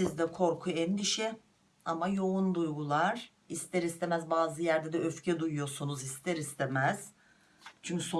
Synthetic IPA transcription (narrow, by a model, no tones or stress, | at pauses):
sizd̪ɛkʰo̞ɾkʰuɛnd̪iʃɛ | amajo̞und̪ujɡulˠaɾ̥ | ist̪ʰɛɾist̪ʰe̞mæzbaːzɯjæɾd̪ɛd̪ɛøfcʰɛd̪ujujo̞sunuzist̪ʰɛɾist̪ʰemæz̥ | t͡ʃʰyɲcʰy̥so